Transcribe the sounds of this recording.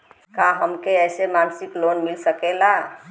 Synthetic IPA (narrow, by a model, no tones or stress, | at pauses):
kaɦəmkeɛsemansiklonmilsəkela